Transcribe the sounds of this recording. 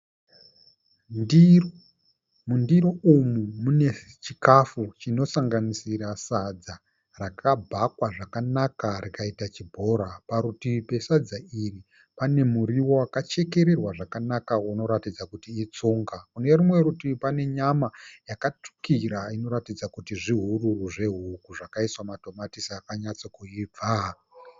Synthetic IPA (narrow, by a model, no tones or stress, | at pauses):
ndir | mundiɾoumumune̞ | t͡ʃikafut͡ʃino̞saŋɡanisiɾasad͡za | rakʰabʱakwaʐakanakarikaitat͡ʃibʱo̞ːɾapaɾutipe̞sad͡zairi | pane̞muɾiwo̞wakat͡ʃe̞ke̞ɾe̞rwaʐakanakauno̞ɾatid͡zakutiːt͡suːŋɡakune̞rimwe̞ɾutipane̞ɲamajakat͡ʂu̥kiɾaino̞ɾatid͡zakutiʐiɦururuʐe̞ɦukuʐakaiswamato̞matisiakaɲat͡sokuib͡vʱa